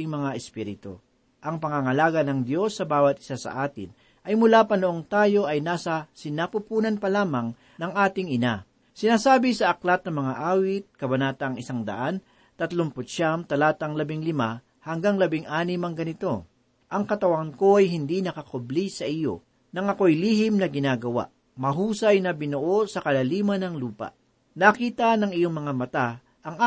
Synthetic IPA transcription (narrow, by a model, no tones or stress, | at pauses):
ɪŋmɐŋaʔɛspiɾɪt̪o̰ | ʔɐŋpɐŋaŋɐlaːɡɐnɐŋd̪jo̞sːɐbaːwɐt̪̚ʔɪ̥sasɐ̰ʔaːt̪ɪ̰n | ʔɐjmʊlaːpɐnoʔoŋt̪aːjo̞ʔɐjnaːsɐsɪnaːpʊpuːnɐnpɐlaːmɐŋ | nɐŋʔaːt̪ɪŋɪna | sɪnaːsaːbɪsɐʔɐklat̪̚nɐmɐŋaʔaːwɪt̪̚kɐbɐnaːt̪ɐŋɪsaŋd̪ɐ̰ʔan | t̪ɐt̪lompʊt̪̚ʃaʔɐŋt̪ɐlaːt̪ɐŋlɐbɪŋlɪma | hɐŋɡaŋlɐbɪŋʔaːnɪmɐŋɡɐnɪt̪o̞ | ʔɐŋkɐt̪ɐwɐnko̞ʔɐjɦɪnd̪inɐkɐkoblisɐʔɪjo̞̰ | nɐŋɐko̞ʔjliːhɪmnɐɡɪnaːɡɐwa̰ʔ | mɐɦuːsɐjnɐbɪnʊʔo̞sɐkɐlɐliːmɐnɐŋluːpɐ̰ʔ | nɐkiːt̪ɐnɐŋɪjoŋmɐŋamɐt̪a | ʔɐŋa